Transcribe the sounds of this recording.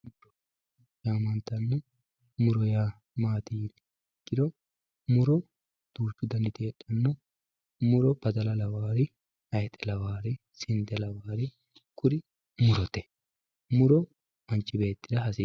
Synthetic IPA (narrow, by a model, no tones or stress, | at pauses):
mʊɾɔ | jaːmɐnt̪ɐnːɔ | mʊɾɔjaː | maːt̪iː | kʼːɪd̪ɔ | mʊɾɔ | d̪̥uːt͡ʃːʊd̪ɐnːɪt̪eːɗːɐnːɔ | mʊɾɔbɐd̪ɐlɐlɐwaːɾɪ | ɐjɛt̪ʼːɛlɐwaːɾɪ | sɪnd̪ɛlɐwaːɾɪ | kʼʊɾɪ | mʊɾɔt̪ɛ̥ | mʊɾɔ | ɐnt͡ʃʼːɪbe̞ːt̪ːɪd̪ɐhɐsi